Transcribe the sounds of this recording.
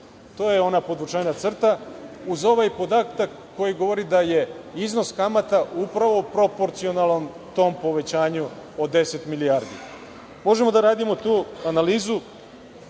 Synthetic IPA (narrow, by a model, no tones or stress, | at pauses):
t̪o̞ːjeo̞napod̪ʋut͡ʃaːnat̪sr̩t̪auzo̞ʋajpo̞d̪at̪akːo̞jiɡo̞ʋo̞ɾid̪aje̞izno̞skamat̪aupɾaʋo̞pɾo̞po̞ɾt̪sio̞nalˠnom | t̪o̞ːmpo̞ʋe̞t͡ɕaːɲuod̪e̞se̞t̪miliaɾd̪ḭ | mo̞ʒe̞mo̞d̪aɾaːd̪imo̞t̪uːanaliːzu